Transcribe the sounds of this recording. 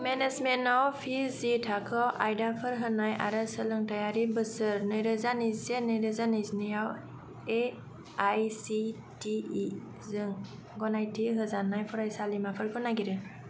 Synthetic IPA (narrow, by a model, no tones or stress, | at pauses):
menezmenɔwpʰizitʰakʰɔʔajdapʰɯɾɦɯnaja̰ɾɯsɯlɯŋtajaɾibɯsɯɾnɯjɾɯzanizenɯjɾɯzanɯznijaw | e | ajsi | ti | zɯŋ | ɡɔnajtʰiɦɯzanajpʰɔɾajsalimapʰɯɾɡɔnaɡiɾɯ